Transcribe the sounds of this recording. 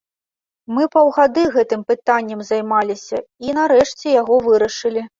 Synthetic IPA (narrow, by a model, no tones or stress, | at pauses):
mɨpɐwɣad̪ɨɣɛt̪ɨmpɨt̪anʲːɐmzajmalʲisʲɐinɐɾɛʂt͡sʲɛjaɣɔvɨɾɐʂɨlʲi